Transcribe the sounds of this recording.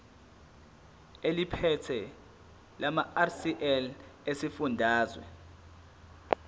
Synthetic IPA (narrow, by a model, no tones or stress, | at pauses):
elipʰɛtʰɛ | lamaasiʔɛlesifundʱaːzwɛ̰